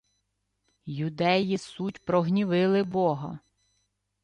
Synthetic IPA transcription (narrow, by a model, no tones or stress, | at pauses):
jʊd̪ɛjisutʲpɾɔɦnʲiʋɪlˠɪbɔɦɐ̰